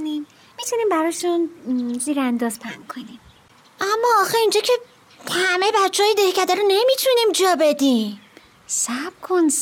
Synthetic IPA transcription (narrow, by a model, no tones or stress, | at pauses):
nimː | it̪ʰuniːmbæɾɒːʃunziːɾænd̪ɒːzpʰæ̰ŋkʰonim | ʔæmːɒːɒːxeind͡ʒɒːcʰe̞ | t̪ʰhæmejebætt͡ʃʰːeɒːjed̪ehcæd̪æɾone̞mit̪ʰunimd͡ʒɒːbe̞d̪im | sæb̥̚kʰons